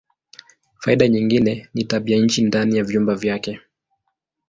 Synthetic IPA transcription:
faiɗaɲiŋɡinɛnitaɓiaɲ̩t͡ʃindanijavjumbavjakɛ

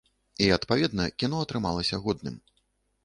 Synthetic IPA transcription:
iɐt̪pavʲɛd̪̚nɐkʲinɔɐt̪ɾɨma̰lˠɐsʲɐɣɔd̪nɨ̰m

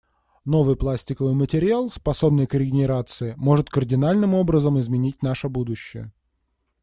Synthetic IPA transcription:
no̞vɨjplˠasʲtʲɪkəvɨjmətʲɪɾʲɪalˠspɐso̞bnɨjkɾʲɪɡʲɪnʲɪɾat̪sɨɪmo̞ʐɨt̪kərdʲɪnalʲnɨmo̞bɾəzəmɪzmʲɪnʲit̚ʲnaʂəbud̪ʊɕːɪ̰jə̰

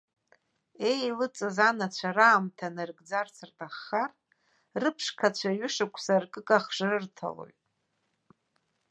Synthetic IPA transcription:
e̞jlɨt͡sʼɨzanat͡ɕʷʰaraːmtʰanɨrɡd͡zart͡sʰɨrtʰʼaχːar | rɨpʰʂkʰat͡ɕʷʰaɥʏʂakʷʰsarkʼɨkʼaχʐarɨrtʰa̰lo̞̰ɥtʼ

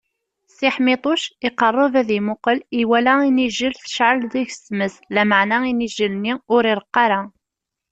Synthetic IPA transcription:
siħmɪt̪ˤoʃɪqərˤːəvæðimʊqəliwælæiniʒəlθə̥ʃʕəlðæçsməslæmaʕnæiniʒəlniʊɾɪɾəqːɑɾæ

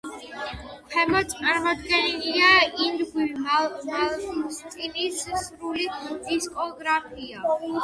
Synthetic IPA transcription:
pʰɛmɔt̪sʼaɾmɔd̪ɡɛniliaind̪ɡwimalmalˠst̪sʼinissɾulid̪̥iskʼɔɡɾapʰia

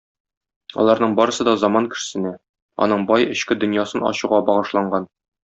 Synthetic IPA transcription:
ɒ̰lˠɑɾnɤɴbɒɾɤ̆sɤd̪ɒzɒmɑnkɘ̥̆sɘ̆næ | ɒ̰nɤɴbɒjɘ̆ɕkɘd̪ɵ̆njɑsɤnɒ̰ɕuʁɑbɒʁɤ̆ʃlˠɑɴɢɑn

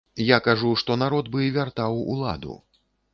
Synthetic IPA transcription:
jakaʐuʂt̪ɔnaɾɔd̪bɨvʲart̪awṵlˠa̰d̪ṵ

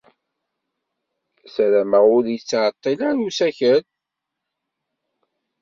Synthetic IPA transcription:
sɾæməʊɾjət͡sːʕət̪ˤːilæɾusæçən

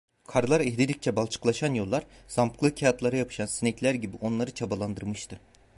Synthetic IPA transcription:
kʰaɾlˠaɾɛɦd̪id̪ʲic̚t͡ʃʰɛbalˠt͡ʃʰɯ̥klˠaʃanjo̞lˠːaɾz̥ampklˠɯcʰaat̪lˠaɾɯjapʰɯ̥ʃansinɛclʲæɾɟibiʔo̞nlˠaɾɯt͡ʃʰabalˠand̪ɯɾmɯʃt̪ʰɯ

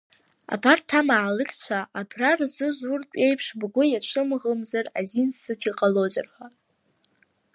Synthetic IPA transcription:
a̰bʰartʰːamaʕalɨkʲʼt͡ɕʷʰaʔabʰrarzɨʒʷʊrtʷʼe̞jpʰʂbɡʷʊjat͡ɕʷʰɨmʁəmzarazinsɨtʰiqʼaloza̰rħʷa

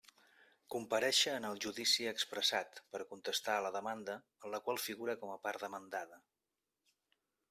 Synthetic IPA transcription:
kumpəɾɛʃəːnəlˠʒuðisiəkspɾəsat̪pəɾkunt̪əst̪aələðəmand̪əːnləkwalˠfiɣuɾəkɔməpaɾd̪əmənd̪aðə

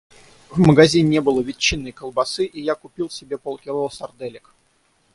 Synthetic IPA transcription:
vməɡɐzʲinʲnʲebɨlˠəvʲɪt͡ɕːinːəjkəlˠbɐsɨʔijakʊpʲilˠsʲɪbʲe̞polˠkʲɪlˠosɐrd̪ɛlʲɪk

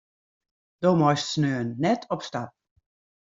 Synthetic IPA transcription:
d̥oːmɔjstsnøːənːɛtʰɔpstap̚

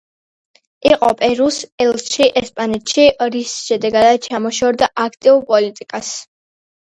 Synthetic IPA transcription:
iqʼɔ̰pʼɛɾusɛlˠsʃiʔɛspʼanɛt̪ʃiɾisʃɛd̪ɛɡad̪at͡ʃʰamɔʃɔɾd̪aʔakʰt̪ʼiuɾpʼɔlit̪ʼikʼas

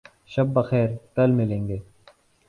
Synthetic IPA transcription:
ʃɐbːɐxɛːɾkɐlmɪlẽːŋɡeː

